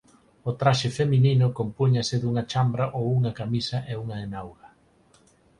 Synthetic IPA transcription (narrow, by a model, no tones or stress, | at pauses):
ot̪ɾaʃefemininʊkompuɲaseðuŋɐt͡ʃambɾɐʔowuŋɐkamisɐʔeuŋɐenawɣɐ